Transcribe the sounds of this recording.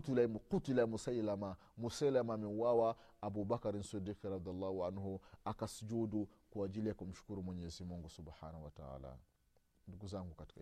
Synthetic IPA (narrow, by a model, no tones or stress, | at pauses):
tulamuqutilamusajlama | musalamaminwawa | abubakaɾinsidiːkɾɑd̪ijalːaːhuʕanhuakasud͡ʒudukuad͡ʒilijakɔm̩ʃu̥kuɾumwɛɲɛzimuŋɡusubħanawata̰a̰ːla̰ | nduɡuzaŋɡukati̥ka